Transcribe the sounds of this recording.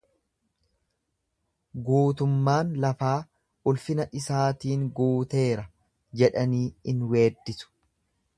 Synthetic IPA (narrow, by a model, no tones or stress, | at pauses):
ɡuːt̪ʊmːaːnlɐfaː | ʊlfɪnɐᶑɪsaːt̪iːŋɡuːt̪e̞ːɾɐ | d͡ʒɛᶑɐniːɪnwe̞ːd̪ːɪsʊ̥